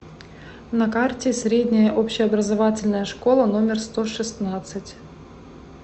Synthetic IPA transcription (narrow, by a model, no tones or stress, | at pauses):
nɐkartʲɪsʲɾʲedʲnʲɪjəʔopɕːɪɐbɾəzɐvatʲɪlʲnəjəʂko̞lˠəno̞mʲɪrst̪oʂɨsnat̪sɨtʲ